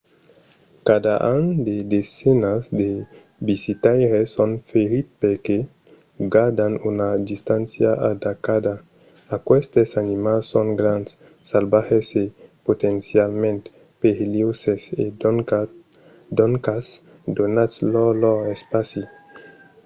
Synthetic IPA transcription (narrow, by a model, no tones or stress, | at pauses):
kad̪aʔand̪ed̪esenasd̪e | bisit̪ajɾesɔnfeɾit̪̚peɾke | ɡad̪anunad̪ist̪ãnsjaʔad̪akad̪a | akwɛst̪esanimalsõŋɡɾansː | albahesepot̪ensjalmẽnt̪ | peɾeliwsese | d̪ɔŋkas | d̪onatslɔlɔespasi